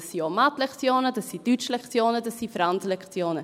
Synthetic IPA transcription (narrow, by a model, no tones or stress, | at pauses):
sːiomatlɛkt͡sjoːnədɑsːid̥yt͡ʃlɛkt͡sjoːnədɑsːifɾant͡səlɛkt͡sjoːnə